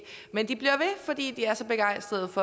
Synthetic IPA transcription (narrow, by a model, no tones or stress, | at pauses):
mend̥ib̥liɐʋe̝fɒ̽d̥ḭːd̥iæɐsɒ̽b̥e̝ɡ̥ɑ̈ɪ̰sd̥ʁɐð̞̩ˠfɒ̽